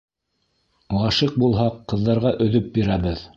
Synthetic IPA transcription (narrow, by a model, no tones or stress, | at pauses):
wɑʃiq̚bulˠɦɑqːɤ̆ðːɑɾʁɑʔɵ̆ðɵp̚biɾæβɘð